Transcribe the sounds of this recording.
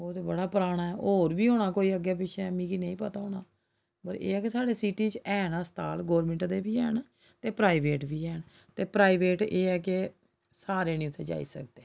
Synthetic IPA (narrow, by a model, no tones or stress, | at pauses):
oːt̪eːbəɽaːpɾaːɽ̃aːɛːʔoːɾbiːɦoːɳaːkoːiːəɡːɛːp̬ɪʃʰɛmĩːkinẽĩːpət̪aːɦoːɳaː | pəɾḛːɛːkesaːɽeːsiːʈiːt͡ʃɛːnaːst̪a̰ːlɡɔːɾmẽɳʈd̪eːbiːɦɛːɳ | t̪eːpɾaːiʋeːʈʋiːɛːn | t̪eːpɾaːiʋeːʈeːɛːke | saːɾeːnĩːʊt̪ʰːḛːd͡ʒa̰ːḭːsə̰kd̪eː